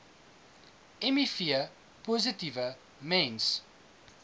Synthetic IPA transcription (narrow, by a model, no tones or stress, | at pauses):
ɛmifiə | pɔzətivə | mɛ̃ns